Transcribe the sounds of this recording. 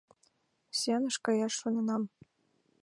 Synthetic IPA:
sʲenɤ̆ʃkɑjɑʃːonɤ̆nɑm

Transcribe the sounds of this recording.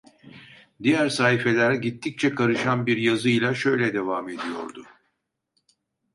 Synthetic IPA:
d̪ijæɾsaːɦife̞lʲæɾɟit̪ʰːic̚t͡ʃʰɛkʰaɾɯʃanbiɾjazɯjlʲˠaʃø̞jlʲɛd̪e̞vaːme̞d̪ijo̞̰ɾd̪ʊ

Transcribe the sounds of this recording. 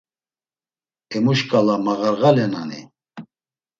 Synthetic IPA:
ɛmuʃkʼalamaɣaɾɣalɛna̰nḭ

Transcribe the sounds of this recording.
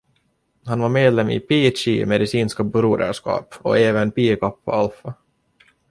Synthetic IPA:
hanvaɾmeːd̪lɛmːḭpʰiːt͡ʃimɛd̪ɪsiːnskabɵɾuːd̪æ̰ʂkɑ̰ːpɔ̰eːvənpiːkɔpːɔ̰alfa

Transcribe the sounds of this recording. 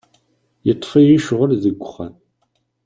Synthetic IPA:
jɪtʰfəjɪʃʁʊrzɨɡʷʼʊχɐn

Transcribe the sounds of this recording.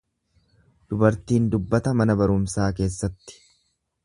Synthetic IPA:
d̪̥ʊbɐɾt̪iːnd̪ʊbːɐt̪ɐmɐnɐbɐɾʊmsaːke̞ːsːɐt̪ːɪ̥

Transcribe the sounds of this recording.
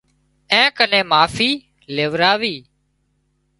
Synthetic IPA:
ɛ̃ːkənẽːmaːfiː | leːʋɾaːʋiː

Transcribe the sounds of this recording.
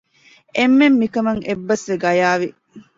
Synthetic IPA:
emːemːikɐmɐŋebːɐsʋeɡɐjaːʋi

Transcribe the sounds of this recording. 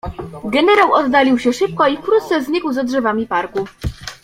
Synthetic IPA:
ɡɛnɛɾawɔd̪ːalʲiwɕɛʂɘp̚kɔifkɾut̪t̪sɛzʲɲikwzadʐɛvamʲipaɾku

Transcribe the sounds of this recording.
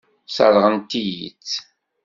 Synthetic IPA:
sɑ̰ɾˤʁənt̪ijḭt͡sː

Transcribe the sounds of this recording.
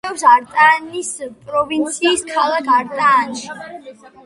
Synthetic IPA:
ɛvsaɾt̪ʼanispʼɾɔvint̪sʰiːskʰalˠakʰaɾt̪ʼaːnʃi

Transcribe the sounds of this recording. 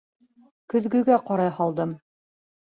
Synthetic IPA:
kɵ̆ðɡɵ̆ɡæqɑɾɑjhɑlˠd̪ɤm

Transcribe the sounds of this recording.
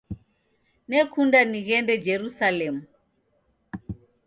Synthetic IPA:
nɛkʰundaniɣɛndɛd͡ʒɛɾusalɛmu

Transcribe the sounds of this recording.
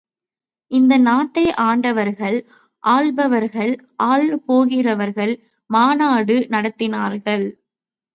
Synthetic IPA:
ʔɪnd̪ɐnaːʈːɐɪʔaːɳɖɐʋɐɾɣɐɭ | ʔaːɭbɐʋɐɾɣɐɭʔaːɭpoːɣɪrɐʋɐɾɣɐɭ | maːnaːɽɯnɐɽɐt̪ːɪnaːɾɣɐɭ

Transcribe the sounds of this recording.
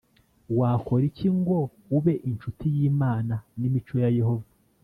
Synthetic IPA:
waːko̞ɾiciŋɡo̞ | uβe̞ʔint͡ʃutijiːmaːnanimit͡ʃojaje̞ho̞va

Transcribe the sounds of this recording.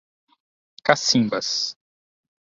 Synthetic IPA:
kasĩŋbɐs

